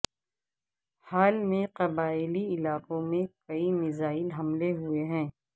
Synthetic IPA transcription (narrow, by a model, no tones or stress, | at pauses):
haːlmẽqɐbaːɪliɪlaːqõmẽkɐimɪzaːɪlɦɐmleɦueɦɛ̃ː